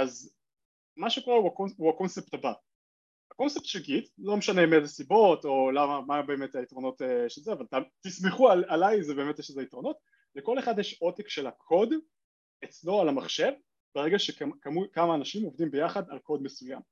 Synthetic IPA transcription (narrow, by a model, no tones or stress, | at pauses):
az | maʃeko̞ʁeuakouakonsept̪aba | hako̞nsep̚t̪ʃeɡitlo̞meʃanemedasibo̞to̞lamamabe̞ːmet̪aitʁo̞no̞t̪eʃelzeavalat̪amtismeχualalajzebe̞ːmet̪jɛʃlezeitʁo̞no̞t | leko̞le̞χad̪jeʃo̞t̪ikʃe̞lhakʰo̞d̪ | et͡slo̞alamaχʃe̞v | beʁeɡaʃekkamukamaːnaʃimovdimbe̞jaχad̪alko̞d̪me̞suja̰m